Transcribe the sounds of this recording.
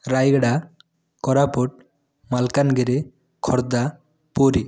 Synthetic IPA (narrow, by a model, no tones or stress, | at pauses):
ɾajɡaɽa | kɔɾapɔʈ̚ | malkanɡɛɾɛ | kʰɔɾd̪a | poɾi